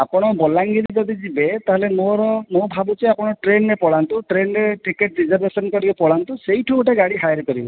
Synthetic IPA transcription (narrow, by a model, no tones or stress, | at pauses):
apɔnɔbɔlaŋɡiɾizɔd̪izibet̪aɦelemoɾɔmobʱabut͡ʃeapɔnɔʈɾenːɛpɔlant̪uʈɾenɾɛʈikeʈ̚dizɔɾbesɔnkɔɾibɛpɔlant̪usejʈʰuʈaɡaɽiɦajɾkɔɾibɔ